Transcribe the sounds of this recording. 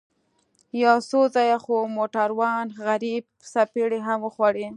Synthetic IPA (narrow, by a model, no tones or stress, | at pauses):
jɑsozɑjaxomoʈaɾwɑnɣaɾib̚ | sapeɽeɦamwəxwaɽe